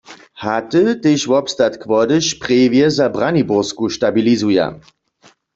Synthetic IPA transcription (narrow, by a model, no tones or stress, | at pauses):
hat̪ət̪eːʃvɔpst̪at̪kʰvɔdəʃpʁeːvjɛzabʁanibʊʁskuʃtabilizuja̰